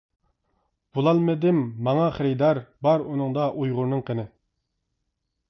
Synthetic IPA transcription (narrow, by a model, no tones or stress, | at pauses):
b̥ulˠɑlˠmɪd̪ɪmːɑŋɑχəɾɪd̪ɑɾbɑɾunɨŋd̪ɑʔujʁʊɾnɨŋqʰənɪ